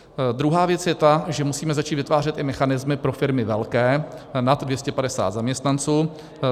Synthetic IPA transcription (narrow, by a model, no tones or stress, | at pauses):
d̪ɾuɦaːvjɛt͡sjɛt̪aʒɛmusiːmɛzat͡ʃiːt̪vɪt̪vaːrɛt̪ʔɪmɛxanɪzmɪpɾo̞fɪɾmɪvɛlkɛːnad̪dvjɛscɛpadɛsa̰ːt̪zamɲɛst̪nant͡suː